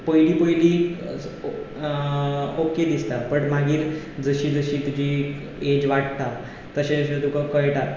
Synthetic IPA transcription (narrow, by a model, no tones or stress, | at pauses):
pəjliːpəjliː | oked̪ist̪apəɳmaɡiːɾ | d͡zəɕiːd͡zəɕiːt̪ud͡ʑʱi | ed͡ʑʋaʈt̪a | t̪əɕẽɕəd̪ukəkəjʈa